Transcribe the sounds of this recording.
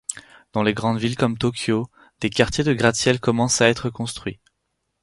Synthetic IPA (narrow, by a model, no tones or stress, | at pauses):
d̪̥ɑ̃leɡʁɑ̃d̪vilkɔmt̪ɔkʰʲjo | d̪̥ekaʁt̪ʰʲjed̪əɡʁasjɛlkɔmɑ̃saɛt̪χəkɔ̃st̪χɥi